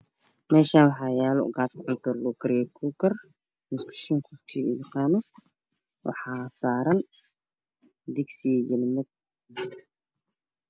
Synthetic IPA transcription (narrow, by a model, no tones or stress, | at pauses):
mɛːʃaːnwɑħɑjaːlɔ̰ɡaːskʰʕʊnt̪ʰɔlukʰɐɾjɛkʰuːkɐr | mɪskʰʊ̥ʃɪŋkʰɔfkʰiːṵjɑqɑːnɔ | wɑ̰ħɑːsaːɾɐn | d̪ɪɡsijɛlmɪd̪̚